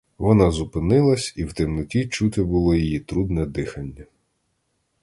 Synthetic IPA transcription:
ʋɔnɑzʊpɪnɪlˠɐsʲiwt̪ɪmnʊtʲit͡ʃut̪ɪbʊlˠɔjijit̪ɾud̪nɛd̪ɪxɐnʲːɐ

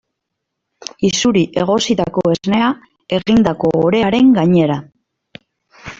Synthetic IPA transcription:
isuɾiʔe̞ɣ̞o̞sit̪ako̞e̞zne̞a | e̞ɣind̪ako̞ːɾe̞aɾe̞ŋɡaɲe̞ɾa

